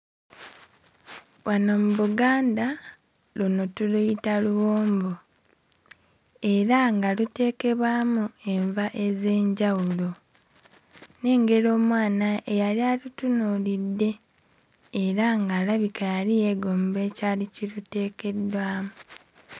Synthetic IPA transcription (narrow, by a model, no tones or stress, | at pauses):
βwʔanomuβuɡaːnda | lonotulujitaluwoːmbo | e̞ɾaŋɡalute̞ːke̞βwaːmue̞ɱvaʔe̞ze̞ːɲɟawulo | ne̞ːŋɡe̞ɾo̞ːmwaːnaʔejalialutunulidːe̞ː | ɾaŋɡaːlaβikajalije̞ɡoːmbe̞ːcaːlicilute̞ːke̞dːwaːmu